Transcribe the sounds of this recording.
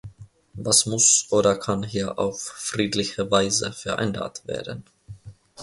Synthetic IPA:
vasmʊsʔoːɾɐkʰanɦiːɐʔa̰ʊffʁ̥iːtlɪçəvaɪzə̰fɛɐʔɛ̰nba̰tv̥ḛːɐdən

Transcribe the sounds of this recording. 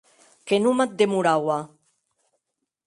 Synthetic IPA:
kenumat̪̚d̪emuɾawa

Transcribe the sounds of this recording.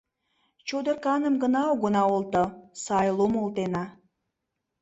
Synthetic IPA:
t͡ɕod̪ərkɑnəmɡə̆nɑoɡənɑolt̪ə̆sɑjlˠomolˠt̪enɑ

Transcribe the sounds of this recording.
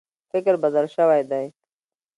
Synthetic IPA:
fɪkɾbazalʃəwajd̪aj

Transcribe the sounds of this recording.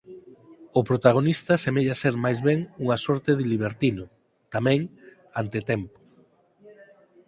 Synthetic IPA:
ʊpɾot̪aɣ̞onist̪asemeʎaseɾmajzβɛŋuŋasɔɾt̪eðɪliβ̞eɾt̪inʊ | t̪amɛ̃ŋ | ant̪et̪ɛmpʊ̥

